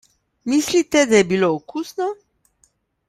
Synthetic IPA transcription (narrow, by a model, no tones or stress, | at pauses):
mislit̪ɛd̪ajɛbilookusnɔ